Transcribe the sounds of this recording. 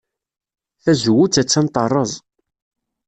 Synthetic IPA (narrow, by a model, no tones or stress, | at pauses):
θæzwːut͡sːæt͡sːænt̪ˤɑrˤːəzˤ